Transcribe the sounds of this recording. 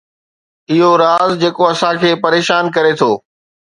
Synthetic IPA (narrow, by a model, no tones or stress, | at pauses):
ɪɦoɾaːzd͡ʑeːkoɐsãkʰeːpɐɾeːʃaːnkɐɾet̪ʰoː